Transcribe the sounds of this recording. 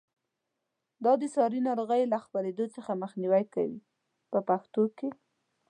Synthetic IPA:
d̪ɑd̪əsɑɾinɑɾoɣajlaxpaɾed̪ot͡səxaməxniwajka̰wḭ | pəpaxt̪oke

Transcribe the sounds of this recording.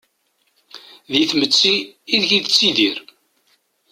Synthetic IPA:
ðiθmət͡sːiːðʝiðət͡sːiðiɾ

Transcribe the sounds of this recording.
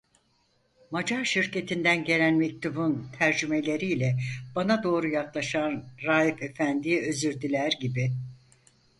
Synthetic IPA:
mad͡ʒaɾʃiɾcʰe̞t̪ʰind̪ænɟe̞lʲænmec̚t̪ʰubunt̪ʰæɾd͡ʒyme̞lʲe̞ɾiːlʲɛb̥anad̪o̞ːɾujaklˠaʃanɾaːjife̞fænd̪iøzyɾd̪ilʲæɾɟibi

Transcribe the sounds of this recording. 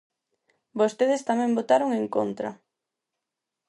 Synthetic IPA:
bost̪eð̞est̪amɛ̃mbot̪aɾoŋeŋko̰nt̪ɾɐ̰

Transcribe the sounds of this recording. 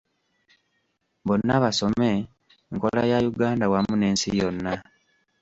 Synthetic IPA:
βonːaβaso̞me̞ | ŋko̞lajajuɡaːndawamune̞ːnsḭjonːa

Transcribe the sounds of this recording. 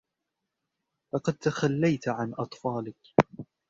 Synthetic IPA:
lɑqɑd̪̚t̪axalːajt̪ʕanʔɑt̪ˤfɑːlɪk

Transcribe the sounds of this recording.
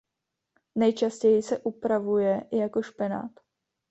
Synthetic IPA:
nɛjt͡ʃascɛjɪsɛʔupɾavujɛjako̞ʃpɪna̰ːt̪

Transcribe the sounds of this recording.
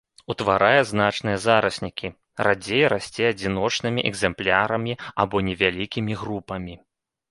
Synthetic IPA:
ut̪vaɾajɛzn̪at͡ʂnɨjɐzaɾɐsʲnʲikʲi | rad͡zʲejɾasʲt͡sʲɛɐd͡zʲinɔt͡ʂn̪ɨmʲiʔɛɡzɛmplʲaɾɐmʲiabɔnʲɛvʲalʲikʲimʲiɣrupɐmʲi

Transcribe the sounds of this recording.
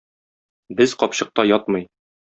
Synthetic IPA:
bɘzqɒpɕɤ̆q̚t̪ɑjɒt̪mɤj

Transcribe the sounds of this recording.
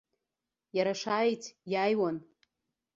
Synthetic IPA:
jaɾaʂajtʰjajwan

